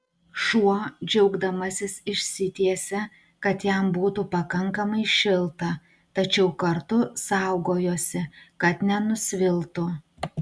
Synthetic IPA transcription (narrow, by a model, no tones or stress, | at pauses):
ʃuɔd͡ʒʲɛʊɡd̪ɐmɐsʲɪsɪʃʲsʲɪt̪ʲiɛsʲɛ | kɐt̪jæmbuːt̪upɐkɐŋkɐmɐɪʃʲɪlˠt̪ɐ | t̪ɐt͡ʃʲɛʊkɐɾt̪ʊsɑˑʊɡoːjoːsʲɪkɐt̪nʲɛnʊsʲʋʲɪlˠt̪ʊ